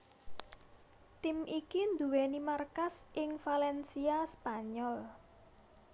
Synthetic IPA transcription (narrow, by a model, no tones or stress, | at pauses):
t̪ɪmikind̪uwenimarkasɪŋfalɛnsiaspaɲɔl